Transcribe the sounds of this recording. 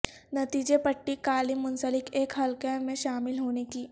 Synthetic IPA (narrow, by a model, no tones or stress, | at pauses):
nɐt̪iːd͡ʒepɐʈːikaːlimːʊnsəlɪkeːkɦɐlkemẽʃaːmɪlɦoːnekiː